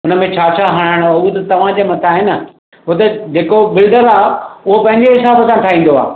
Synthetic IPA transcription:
ʊnəmẽt͡ɕʰaːt͡ɕʰaɦɐɽ̃aːɪɽ̃ut̪ɐt̪ɐʋ̤ãd͡ʑeːmɐt̪ʰaːɦɪnə | ɦʊot̪̬ɐd͡ʑeːkobɪlɖəɾaːʊɦopɐ̃ɦɪ̃ɲd͡ʑeɦɪsaːbəsãʈʰaːĩːn̆d̪oa̰ː

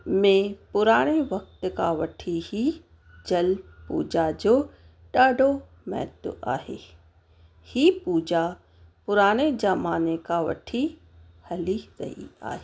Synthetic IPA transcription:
mẽpʊɾaːɽ̃eʋɐk̚t̪kaʋɐʈʰihi | d͡ʑɐlpṵːd͡ʑad͡ʑoː | ɗaːɖʱo | mɛ̰ːt̪ʊ̰ʔa̰ːɦḛː | hipuːd͡ʑa | pʊɾaːɽ̃ed͡ʑɐmaːnekaʋɐ̰ʈʰi | hɐliɾɐ̰ɦḭa̰ːɦe

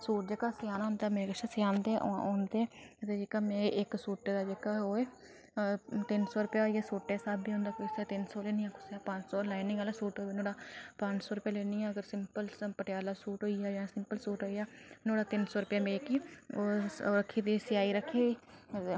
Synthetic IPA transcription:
suːʈd͡ʒeːkaːsɪjaːnãːnd̪aːmeːɾeːkəʃaːsjaːnd̪eːʔoːnd̪eːt̪ed͡ʒekaːmẽːɪksuːʈːeːd̪aːd͡ʒeːkaːɦoːeː | t̪ɪnsɔːɾʊpjaːɦoːiaːsoːʈːeːsaːbiːõːnd̪aːkosaːt̪ɪnsoːleːnijãːkʰʊ̥saːpəɲd͡ʒsoːlaːɪnɪ̃ŋaːlaːsuːʈɦoːeːnoːɽaːpəɲd͡ʒsɔːɾʊpjaːleːnijãːəɡəɾsɪmpəlpəʈɪjaːlaːsuːʈɦoːiaːd͡ʒãːsɪmpəlsuːʈɦoːijaːnoːɽaːt̪ɪnsoːɾʊpjaːmẽːkiːoɾəkʰːiːd̪iːsɪjaːiːɾəkʰiːiː

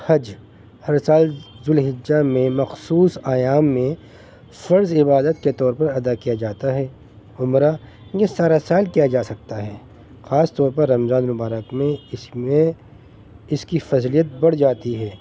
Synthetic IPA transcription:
hɐd͡ʒ | hɐɾsaːlzʊlɦɪd͡ʒːamẽmɐxsuːsaːjaːmːẽ | fɐɾzɪbaːd̪ət̪̚ket̪ɔːɾpɐɾɐd̪akijad͡ʒaːt̪aɦɛː | ʊmɾa | jesaːɾasaːlkijad͡ʒaːsɐk̚t̪aɦɛː | xaːst̪ɔːɾpɐɾːɐmzãːnmʊbaːɾəkmẽɪe | ɪskifɐzlijət̪̚bɐɽ̤d͡ʒaːt̪iɦɛː

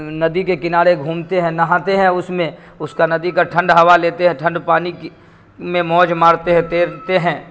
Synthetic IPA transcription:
nɐd̪ikekɪnaːɽeɡʱũːmt̪eɦɛ̃nɐɦãːt̪eɦɛ̃ʊsmẽ | ʊskanɐd̪ikaʈʰɐ̃ɳɖɦɐʋaleːt̪eɦɛ̃ʈʰɐ̃ɳɖpaːnik | mẽmɔːd͡ʒmaːɾt̪eɦɛ̃t̪eːt̪eɦɛ̃ː

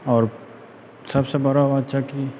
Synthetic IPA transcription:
ɔːɾ | sɐbsebɐɾaʋadt͡ʃʰaki

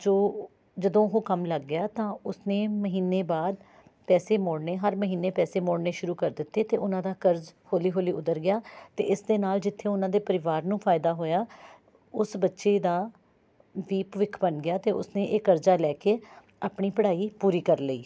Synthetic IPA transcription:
d͡ʒoː | d͡ʒəd̪õːɦoːkəmləɡːɪjaːt̪ãːʊsneːməɦiːnːeːbaːd̪̚ | pɛːseːmoːɽneːɦəɾməɦiːnːeːpɛːseːmoːɽneːʃʊɾuːkəɾd̪ɪt̪ːeːt̪eːʔʊnãːd̪aːkəɾd͡ʒhoːliːɦoːliːʊd̪əɾɡɪjaːt̪ḛːʔɪsd̪eːnaːld͡ʒɪt̪ʰːeːʊnãːd̪eːpəɾɪʋaːɾnũːpʰaːɪd̪aːɦoːjaː | ʊsbətːʃeːd̪aː | ʋiːpʋɪkʰbənɡɪjaːt̪eːʊ̰snẽːʔeːkəɾd͡ʒaːlɛːkeː | aːpɳiːpəɽaːiːpuːɾiːkəɾləiː

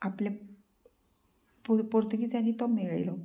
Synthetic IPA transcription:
aple | pupoɾt̪ukit͡sanːit̪ɔmiɭajlɔ

